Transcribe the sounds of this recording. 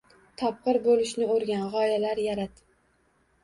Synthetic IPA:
t̪ʰɒp̚qɨɾbolɪʃnɪoɾɡʲanʁɒjalaɾjaɾat̪

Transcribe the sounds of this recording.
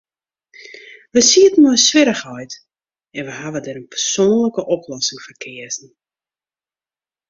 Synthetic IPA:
ʋəsiətnɔjsʋɪɾəxɔjt | ɛnʋəɦaʋədɛɾənpərsoːənləkəʔɔplɔsɪŋfərkʰɪəzn̩

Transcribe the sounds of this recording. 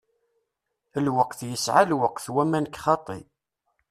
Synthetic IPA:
əlwəqθjəsʕalwəqθwæmænkːχɑt̪ˤḭ

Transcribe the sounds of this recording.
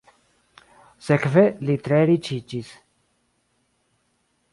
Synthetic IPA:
sekvelit̪ɾeɾit͡ʃit͡ʃis

